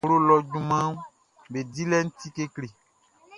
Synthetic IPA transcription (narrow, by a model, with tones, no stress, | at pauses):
lo˦lɔ˨d͡ʒũ˦mã˦m˦ | be˨di˦lɛ˦ŋ̩˦t̪i˦ke˦kle˨